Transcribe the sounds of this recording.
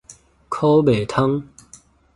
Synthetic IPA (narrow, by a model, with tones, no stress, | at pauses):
kʰo˥˦be˨˩t̪ʰa˥ŋ